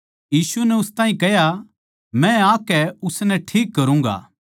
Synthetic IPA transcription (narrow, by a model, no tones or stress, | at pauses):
jiːsuɛnɛʊst̪ãːɦĩkɛɦja | mɛ̃aːkɛʊsnɛʈʰiːkːɐɾũːŋɡa̰ː